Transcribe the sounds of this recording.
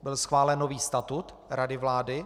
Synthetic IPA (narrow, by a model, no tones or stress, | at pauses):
bɪlsxvaːlɛnːoviːst̪at̪ut̪ | ɾadɪvlaːdɪ